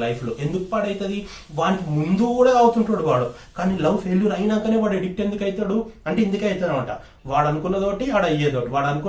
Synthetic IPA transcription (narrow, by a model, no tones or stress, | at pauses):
lɐjpʰloːʔe̞nd̪ukupaːɽɐjt̪ɐd̪i | ʋaːnikimund̪uuɽaːɐwut̪uɳʈaːɽuʋaːɽu | kaːniːlɐʋfʰeljuɾɐjnɐŋkɐneːʋaːɽeɖik̚ʈe̞nd̪ukɐjt̪aːɽuɐɳʈeind̪ukeɐjit̪aːnɐʋɐɳʈɐ̰ | ʋaːɽɐnukunːɐt̪o̞ːʈiaːɽɐjːeːd̪oːʈiʋaːɽɐnuku